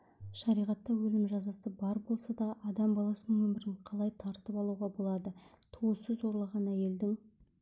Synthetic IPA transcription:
ʃɑɾijʁɑt̪ːɑwɵlɪmʒɑzɑsəbɑɾbo̞lˠsɑd̪ɑʔɑd̪ɑmbɑlˠɑsənəŋwɵmɪɾɪɴqʰɑlˠɑjt̪ʰɑɾt̪əpɑlˠuʁɑbo̞lˠɑd̪ə | t̪ʰoəsɵzo̞ɾlˠɑʁɑnæje̞ld̪ɪŋ

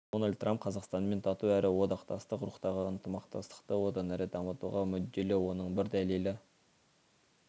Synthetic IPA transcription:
d̪onalʲd̪̚t̪ːramp̚qʰɑzɑqst̪ɑnme̞nt̪ʰɑt̪uæɾʔɪwo̞d̪ɑqt̪ɑst̪əqɾuqt̪ɑʁəənt̪əmɑqt̪ɑst̪ə̥qt̪əwo̞d̪ɑnæɾɪd̪ɑmət̪ṵʁɑmʏd̪ːelewo̞nəɴbɪɾd̪ælelɪ

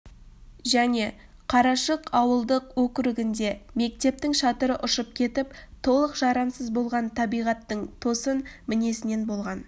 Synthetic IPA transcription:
ʒæne̞ | qʰɑɾɑʃəqɑwəlˠd̪əqwɵkʲɪɾɪɡʲɪnd̪e̞me̞k̚t̪e̞p̚t̪ɪŋʃɑt̪əɾəʔʊʃəp̚kʲʰe̞t̪ɪpt̪ʰo̞lˠəqʒ̥ɑɾɑmsəzbo̞lˠʁɑnt̪ʰɑbijʁɑt̪ːəɴt̪ʰo̞sənmɪne̞sɪne̞nbo̞lˠʁɑn

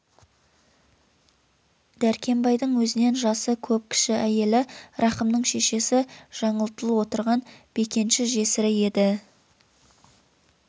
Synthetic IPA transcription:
d̪̥æɾkʲʰe̞mbɑjd̪əɴwɵzɪne̞nʒɑsəkʲʰɵp̚kʲʰɪ̥ʃɪæje̞lɪɾɑqəmnəɴʃe̞ʃe̞sɪʒ̥ɑɴəlˠt̪əlˠəwo̞t̪əɾʁɑnb̥e̞kʲe̞nʃɪʒe̞sɪɾɪje̞d̪ɪ

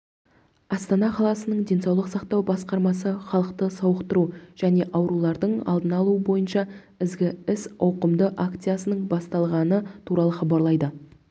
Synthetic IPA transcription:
ɑst̪ɑnɑqʰɑlˠɑsənəɴd̪e̞nsɑwlˠəqsɑqt̪ɑwbɑsqɑɾmɑsəχɑlˠəqt̪əsɑwəqt̪əɾuʒ̥æne̞ʔɑwɾulˠɑɾd̪əɴɑ̰lˠd̪ənɑlˠuəbo̞jənʃɑ | ɪzɡʲɪɪsɑwqəmd̪əʔakt̪sijasənəɴbɑst̪ɑlˠʁɑnət̪ʰuɾɑlˠəχɑbɑɾlˠɑjd̪ə

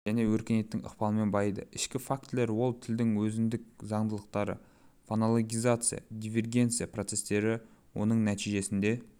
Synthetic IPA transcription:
ʒ̥æne̞wɵɾkʲenet̪ːɪŋʔə̰qpɑlˠəme̞nbɑɑjd̪əɪʃkʲɪfak̚t̪le̞ɾwo̞lˠt̪ʰɪld̪ɪŋwɵzɪnd̪ɪk̚zɑɴd̪əlˠəq̚t̪ɑɾə̰ | fonolˠoɡʲijzat̪sɨja̰d̪ʲivʲe̞rɡʲe̞nt̪sɨjaprot̪se̞st̪e̞ɾɪwo̞nəɴnæt̪ʰijʒe̞sɪnd̪e̞

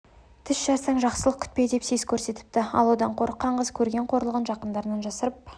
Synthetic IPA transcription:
t̪ʰɪsʒɑɾsɑɴʒɑqsəlˠəq̚kʲʰʏ̥t̪̚pe̞d̪e̞psezkʲʰɵɾse̞t̪ɪ̥p̚t̪ɪɑ̰lˠwo̞d̪ɑɴqʰo̞ɾəqːɑɴʁəzkʲʰɵɾɡʲe̞ɴqʰo̞ɾlˠəʁənʒɑqənd̪ɑɾənɑnʒɑsəɾəp̚

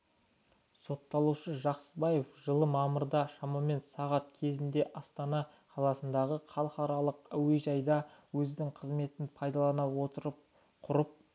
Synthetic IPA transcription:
so̞t̪ːɑlˠuʃəʒɑqsəbɑjefʒəlˠəmɑməɾd̪ɑʃɑmɑme̞nsɑʁɑt̪̚kʲʰe̞zɪnd̪e̞ʔɑst̪ɑnɑ | qʰɑlˠɑsənd̪ɑʁəqʰɑlˠqɑɾɑlˠəqæweʒɑjd̪ɑwɵzd̪ɪŋqʰəzme̞t̪ɪnpʰɑjd̪ɑlˠɑnɑwo̞t̪əɾəp | qʰʊɾəp̚

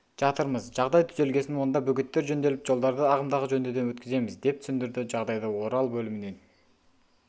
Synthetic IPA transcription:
d͡ʒɑt̪ɯɾməzd͡ʒɑʁd̪ɑjt̪ʰʏze̞lɡe̞sɪnond̪ɑbøɡyt̪ːe̞ɾd͡ʒønd̪e̞lip̚d͡ʒo̞lˠd̪ɑɾd̪ɯɑʁəmd̪ɑʁəd͡ʒønd̪ød̪eøt̪kyze̞mɪzd̪e̞p̪̚sʏnd̪yɾd̪yd͡ʒɑʁd̪ɑjd̪ɑo̞ɾɑlˠbølyminen

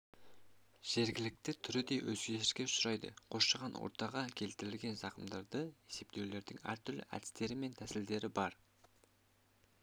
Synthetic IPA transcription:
ʒ̥e̞ɾɡʲɪlɪk̚t̪ɪt̪ʰʏɾɪd̪e̞jwɵzɡʲeʃɪʃkʲesʊɾɑjd̪ə̰qʰo̞ʃʃɑʁɑnwo̰ɾt̪ɑʁɑkʲʰe̞lt̪ɪɾɪlɡʲe̞nʒɑqəmd̪ɑɾd̪əe̞se̞p̚t̪e̞wle̞ɾd̪ɪŋæ̰ɾt̪ʰʏɾlɪ̰ʔæ̰d̪ɪ̥st̪e̞ɾɪme̞nt̪ʰæsɪld̪e̞ɾɪbɑɾ

